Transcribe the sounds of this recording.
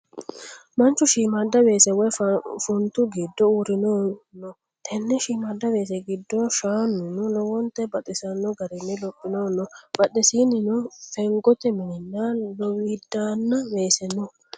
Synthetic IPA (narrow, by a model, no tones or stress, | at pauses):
mɐnt͡ʃːʊʃiːmad̪ːɐwe̞ːsɛwɔjfʊnt̪ʊɡid̪ːɔuɾɪnoːnːɔ | t̪ʰɛnːɛʃiːmad̪ːɐbe̞ːs̬ɛɡɪd̪ːɔʃaːnːʊnʊlɔwɔnt̪ɛbɐt̪ʼɪsɐnːɔɡɐɾɛnːɪlɔpʼːɪnoːnːɔb̥ɐɗːɛsiːnːɪnʊfɛŋɡɔt̪ɛmɪnɪnːalɔwiːd̪aːnːɐwe̞ːsɛnːɔ